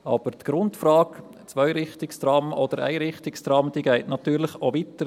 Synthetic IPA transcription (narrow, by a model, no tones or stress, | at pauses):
ɑ̰b̥əɾt̪ɡ̥ɾʊntfɾɑːk | t͡svœʏɾɪχt̪ɪkst̪ɾɑmɔd̥̪əɾæ̰ɪɾɪχt̪ɪkst̪ɾɑmd̥iːɡɛɪtnɑt̪yːɾlɪχovit̪ə